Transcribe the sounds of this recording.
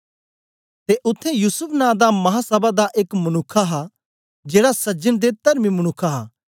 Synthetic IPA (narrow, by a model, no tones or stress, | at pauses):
t̪eʔʊt̪ʰːejuːsʊpʰnãːd̪amɐɦasɐbad̪aʔeːkmɐñʊkʰːaɦa | d͡ʒeːɽasɐd͡ʒənd̪et̪ɐɾmimɐñʊkʰːaɦaː